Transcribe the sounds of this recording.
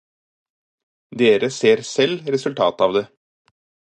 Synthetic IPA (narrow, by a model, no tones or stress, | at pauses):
d̪eːɾəseːɾsɛlɾɛsʉlt̪ʰɑ̰ːt̪ɑːʋd̪ɛ